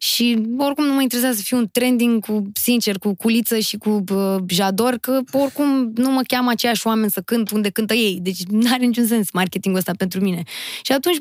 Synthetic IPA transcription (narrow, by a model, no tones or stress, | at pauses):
ʃio̞rkumnuməint̪eɾes̬azəsəfiunt̪ɾe̞nd̪iŋɡkusint͡ʃe̞rkukulit̪səʃikuəʒad̪o̞rkəo̞rkumnuməkʲamat͡ʃejaʃoame̞nʲsəkɨnt̪und̪e̞kɨnt̪əje̞jd̪e̞t͡ʃʲnaɾenit͡ʃuns̬e̞nsmarkʲe̞t̪iŋɡuəst̪apent̪ɾumine̞ʃiat̪unt͡ʃʲ